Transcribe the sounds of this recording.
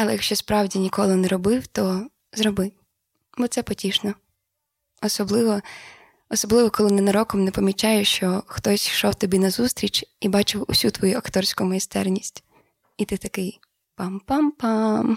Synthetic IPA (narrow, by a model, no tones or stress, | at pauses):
ɐlˠɛjɐkʃt͡ʃɔspɾɑwdʲinʲikɔlˠɪnɛɾɔbɪwt̪ɔ | zɾɔbɪw | bɔt̪sɛpɔtʲiʃnɔ | ɔsɔblˠɪʋɔ | ɔsɔblˠɪʋɔkɔlˠɪnɪnɐɾɔkɔmnɛpɔmʲit͡ʃɑjɛʃt͡ʃɔxt̪ɔsʲʃɔwt̪ɔbʲinɐzust̪ɾʲit͡ʃibɑt͡ʃɪwʊ̰sʲut̪ʋɔjuɐkt̪ɔrsʲkʊmɐjist̪ɛrnʲisʲtʲ | it̪ɪt̪ɐkɪj | pɑmpɑmpɑm